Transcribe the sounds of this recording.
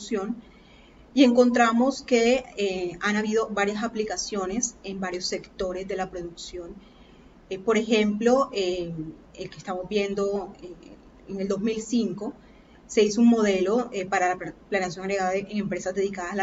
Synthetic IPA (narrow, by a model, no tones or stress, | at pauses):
sjo̞n | ie̞ŋko̞nt̪ɾamo̞ske̞eanaβiðo̞βaɾjasaplikasjo̞ne̞se̞mbaɾjo̞sːe̞kt̪o̞ɾe̞zðe̞lapɾo̞ðuksjo̞n | po̞ɾe̞xe̞mplo̞e | elkest̪amozbje̞nd̪o̞e | eŋe̞ld̪o̞zmilsiŋko̞ | se̞isouŋmo̞ðe̞lo̞epaɾalaplaneas̬jo̞ŋaɣɾeɣaðaʔeŋe̞mpɾe̞sazðe̞ðikaða